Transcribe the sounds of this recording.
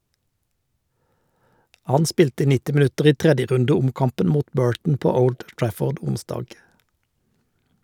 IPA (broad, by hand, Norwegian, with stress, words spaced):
ˈhɑn ˈspiːltə ˈnɪtɪ mɪˈʉtəʁ ˈiː ˈtʁɛdjəˌʁʉndəˌʊmkɑmpən ˈmuːt ˈbøːɹʈɳ̩ ˈpoː ˈəʊld ˈtɹæfɔʁd ˈʊnˌsdɑːɡ